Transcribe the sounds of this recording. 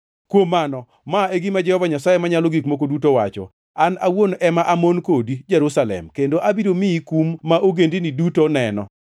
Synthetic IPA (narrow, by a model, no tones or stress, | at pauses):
kwomːanɔ | maeɡimad͡ʒɛhɔvaɲasajemaɲaloɡikmokodutowa̰t͡ʃɔ̰ | anawonʔɛmaʔamonkodid͡ʒɛɾusalɛ̰mkendoʔabiɾomiikumːaʔoɡendinidutonɛnɔ̰